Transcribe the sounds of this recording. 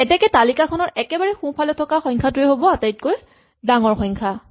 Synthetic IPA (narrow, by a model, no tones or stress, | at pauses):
ɛtɛkɛtalikakʰɔnɔɹɛkɛbaɹɛxũpʰalɛtʰɔkaxɔ̃jŋkʰatʊeɦobɔatajt̚koj | daŋɔɹxɔjŋkʰa